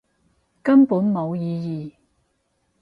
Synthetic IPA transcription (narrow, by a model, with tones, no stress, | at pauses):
kɐ˥mpuː˨˥nmo˨˧wjiː˨˧jiː˨˩